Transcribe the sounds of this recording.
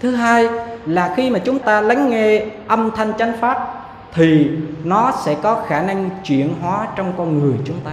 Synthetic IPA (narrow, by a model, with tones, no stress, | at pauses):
t̪ʰɨ˨˦ɦaː˧jlaː˨˩xi˧maː˨˩t͡ɕʊ˨˦ŋ͡mt̪aː˧la˨˦jŋ̟ŋɛ˧ʔə˧mt̪ʰa˧jŋ̟t͡ɕa˨˦jŋ̟faː˦˥t̚ | t̪ʰi˨˩nɔ˨˦sɛ̰˧˥kɔ˨˦xaː˧˩na˧ŋt͡ɕwḭ˧˨ənɦwaː˨˦t͡ɕɔ˧wŋ͡mkɔ˧nŋɨ˨˩əjt͡ɕʊ˨˦ŋ͡mt̪aː˧